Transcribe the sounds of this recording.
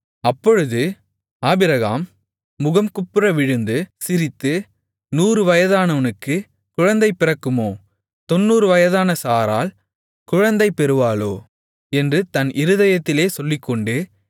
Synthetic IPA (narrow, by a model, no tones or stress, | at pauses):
ɐpːɔɻɯðɯ | aːbɪɾɐɣaːmː | ʊɣɐmkʊpːɯɾɐʋɪɻɯnd̪ɯsɪɾɪt̪ːɯ | nuːɾɯʋɐjɐðaːnɐʋɐnɯkːɯ | kʊɻɐnd̪ɐɪpːɪɾɐkːɯmoː | t̪ɔnːuːɾɯʋɐjɐðaːnɐsaːɾa̰ːl | tkʊɻɐnd̪ɐɪpːɛɾɯʋaːɭoː | ɛndrɯt̪ɐnʔɪɾɯðɐjɐt̪ːɪleːsɔlːɪkːɔɳɖɯ